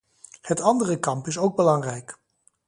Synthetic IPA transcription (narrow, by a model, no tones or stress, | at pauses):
hətɑndərəkɑmpɪsowɡ̚bəlɑŋrɛjk